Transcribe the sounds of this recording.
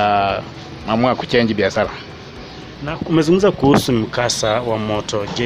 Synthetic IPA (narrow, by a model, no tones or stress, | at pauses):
a | mamuaku̥t͡ʃɛɲd͡ʒibiasala | naumɛzuŋɡum̩zakuhusum̩kasawamɔtɔd͡ʒɛ